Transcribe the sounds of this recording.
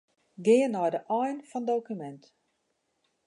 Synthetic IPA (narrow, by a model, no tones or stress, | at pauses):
ɡɪːənːɔjdəʔɔjnfɔndowkymɛnt